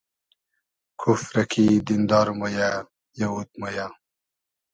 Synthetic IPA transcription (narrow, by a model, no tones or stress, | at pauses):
kʰufɾɐkʰid̪ind̪ɑːɾumoja | jɐwut̪̚moja